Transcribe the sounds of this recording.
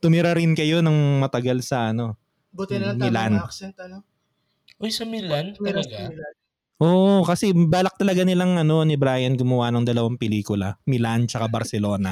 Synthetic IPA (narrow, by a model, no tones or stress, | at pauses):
t̪ʊmɪɾɐɾɪnkɐjo̞nɐŋmɐt̪ɐɡalsɐʔɐno̞ | mɪlant̪ɐ | ʔojsɐmɪlankɐlɐɡa | ʔoːʔkɐsɛbaːlɐk̚t̪ɐlɐɡanɪlaŋɐno̞nɪbɾaːjɐnɡʊmɐwanɐŋd̪ɐlɐwaŋpɛliːkʊlɐmɪlant͡ʃɐkabɐɾsɛlo̞ːnɐ